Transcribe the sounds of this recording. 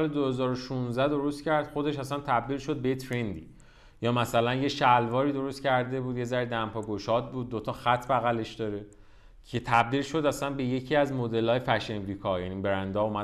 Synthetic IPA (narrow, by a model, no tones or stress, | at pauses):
led̪ohe̞zɒːɾoʃunzæd̪o̞ɾo̞st̪cæɾd̪̥xo̞d̪eʃ̬æsænt̪ʰæb̚d̪iːlʃo̞d̪̚bejet̪ʰɾend̪ḭ | jɒːmæsælænjeʃælvɒːɾiːd̪o̞ɾo̞st̪cʰæɾd̪e̞buːd̪je̞zæɾd̪æmpʰɒːɡoʃɒd̪̚buːd̪̚ːot̪ʰɒxæt̪ʰbæɣæle̞ʃd̪̥ɒɾe | cʰe̞t̪ʰæb̚d̪iːlʃo̞d̪æsænbe̞je̞cʰiæzmod̪e̞lɒːjefæʃenɾiːkʰɒjænibeɾænd̪ɒːumæ